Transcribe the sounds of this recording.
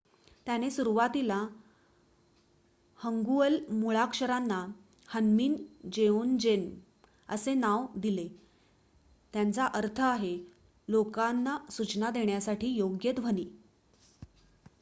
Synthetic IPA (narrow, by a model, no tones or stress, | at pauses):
t̪janesuɾuʋat̪ila | həŋɡuəlmuɭakʂəɾanːa | hənmiːnd͡ʑeond͡ʑen | ə̰senaʋd̪ile | t̪jant͡saʔəɾt̪ʰəaɦe | lokanːasut͡ɕnad̪eɳjasaʈʰiːjoɡjət̪ʋ̤ʱəniː